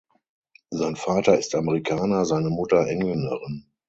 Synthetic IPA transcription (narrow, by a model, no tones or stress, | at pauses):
zaɪnfaːtɐɪstaməʁikʰaːnɐzaɪnəmʊtɐʔɛŋlənəʁɪn